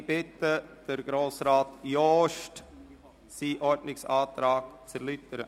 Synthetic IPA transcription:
b̥ɪtəd̥əɾɡ̥ɾoːsɾaːtjɔːʃt | siːʔɔɾdnɪksaːtɾaːɡ̥t͡sɛɾlytəɾə

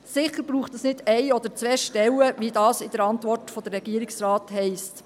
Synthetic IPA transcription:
sɪχəɾbɾuːχtəsnɪdɛɪɔd̪əɾt͡sʋɛːʃtɛwəʋidɑːsɪd̥əɾɑntʋɔrtfɔd̥̪ərɛɡ̥iːɾɪksrɑːthɛɪst

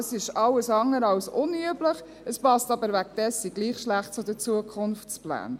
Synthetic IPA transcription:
sɪʃɑləsɑŋːəɾɑwsʊnyəbləχ | əspɑstɑbəɾvækd̥ɛsiɡliːχʃlæχt̚t͡sʊdət͡suəkʰχʊnft͡splæ̰ːn

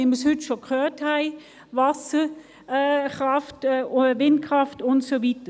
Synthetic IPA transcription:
ɪməshʏtʃokʰχœːthæɪ | vasəː | χʁaftːvɪntkʰʁ̥aftʊntsovitə

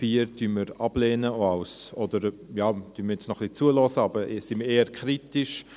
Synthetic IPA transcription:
fiːəɾd̥ynməɾɑblɛːnəoaʊsɔd̥əɾjaːd̥yːnməɾjɛt͡snɔχlit͡suəlɔsəɑbəsɪməeːəɾkʰɾitɪʃ

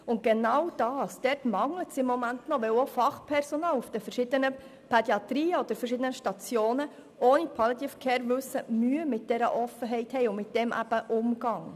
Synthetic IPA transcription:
ʊnt̚ɡ̥enɑwd̥ɑːsd̥ɛɾtmɑŋlətsɪmːɔmæntnɔʋɛwofɑχpʰɛɾsonɑːlufd̥əfəɾʃɪd̪ənə | pʰɛdiɑtɾiːəɔd̥̪əɾfəɾrʃɪd̪ənəʃtɑt͡sjoːnə | oːnipʰɑlit̪iːfkʰɛːɾʋʉsəmyəmɪt̚d̥ɛɾə̰ʔɔfəɦɛɪthɛɪʊnmɪt̚d̥ɛmʔæ̰b̥əʔʊmɡ̥ɑŋ

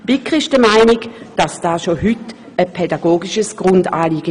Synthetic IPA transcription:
b̥ɪkʁɪʃd̥əmaɪnɪkd̥ɑsd̥aːʃohyt | əpʰɛdaɡoːɡɪʃəsɡ̥ʁʊndaːliːɡ̥ə

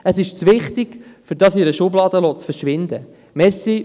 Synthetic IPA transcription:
əsɪʃt͡sʋɪχtɪɡ̥fʏɾdɑsɪɾəʃʊblɑːd̪əloːt͡sfəɾʃʋɪnd̪ə | mɛɾsi

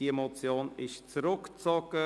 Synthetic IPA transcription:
iemot͡sjoːnɪʃt͡sɾʊkt͡sɔkə

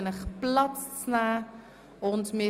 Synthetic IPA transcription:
nəχplatnaː | ɔnsmi

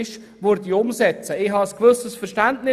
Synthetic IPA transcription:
ʃ | ʋʊɾdiʊmsɛt͡səɪɦɑəskvɵsəsfəɾʃtæntnɪ

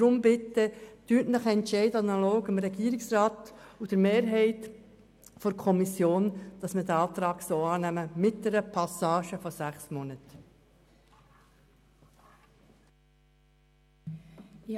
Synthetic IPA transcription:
ɾʊmbɪtːətyːtnəχəɛntʃɛɪdɑnɑloːɡɪmɾɛɡiːɾɪksrɑːtud̪̥əɾmeːɾɦɛɪt | fɔɾkʰɔmisjoːnd̥ɑsmɪɾdəɑːt̪ɾɑːɡsoːɑːnæməmɪt̚d̥ɛɾəpʰɑsɑːʃəfɔsæχsmɔnət

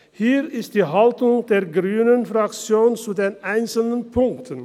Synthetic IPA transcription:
hiːʁɪst̚d̥iːɦaltʊŋdeːɐɡʁyːnənfʁakt͡sjoːnt͡suːdeːnʔaɪnsl̩nənpʰʊŋktʰən

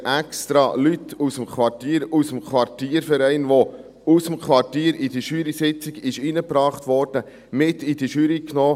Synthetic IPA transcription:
ʔɛkst̪ɾɑlytʰusəmkʰʋɑrtiːəɾusəmkʰʋɑrtiːɾfɛɾɛɪnʋo | usəmkʰʋɑrtiːəɾid̥əʃyːɾisɪt͡sɪɡɪʃinəpɾɑːχtʋɔɾd̥ə | mɪtid̥əʃyːɾiknoː

